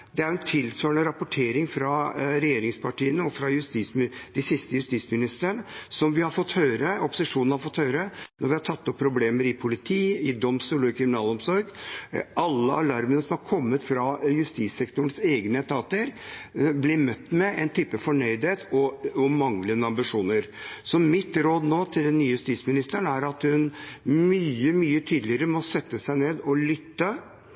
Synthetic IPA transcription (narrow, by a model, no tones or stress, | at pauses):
d̪ɛæɾʊɛnt̪ʰɪlsøːɳəɾɑpʊʈʰeːɾɪŋfɾɑɾɛjeːɾɪŋspʰɑʈiːənəɔfɾɑjʉst̪iːsmd̪̥ɪsɪst̪əjʉst̪iːsmɪnɪst̪ɾəɳəsɔmʋɪhɑɾfɔt̪ːhøːɾəɔpːʊ̥sɪʂuːn̩hɑɾfɔt̪ːhøːɾənɔɾʋɪhɑʈtʰɑt̪ːɔpʰːɾʊbleːməɾɪpʰʊlɪt̪ʰiːɪd̪ɔmst̪uːləkʰɾɪmɪnɑːlɔmsɔɾɡʔɑlːəʔɑlɑɾmənəsɔmhɑɾkʰɔmːət̪fɾɑjʉst̪iːsɛkt̪ʊɳseːɡnəət̪ʰɑːt̪əɾblɪmœt̪ːmɛæɪnt̪ʰyːpəfɔɳœʏd̪heːt̪ʰɔɔmɑŋlənːəɑmbɪʂuːnəɾsɔmɪt̪ɾoːd̪noːt̪ʰɪld̪ɛnːyːəjʉst̪iːsmɪnɪst̪əɳæɾɑt̪hʉnmyːəmyːət̪ʰyːd̪lɪəɾəmɔsɛt̪ːəsæɪneːd̪ɔlʏt̪ːə